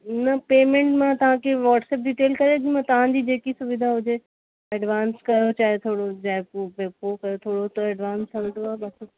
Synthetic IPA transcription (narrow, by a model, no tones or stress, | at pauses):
nɐpeːmẽɳʈmãt̪ɐʋ̤ãkʰeʋaːʈsɛːp̚ɖiʈeːlkɐɾed͡ʑĩmãt̪ɐʋ̤ãd͡ʑiːd͡ʑeːkisʊʋɪd̪ʱaɦʊd͡ʑʱe | ɛɖʋaːnskɐjot͡ɕaːɦet̪ʰoːɽod͡ʑaːeppeːpokɐjot̪ʰoːɽot̪ɐɛɖʋaːnsʰɐld̪oaːbɐs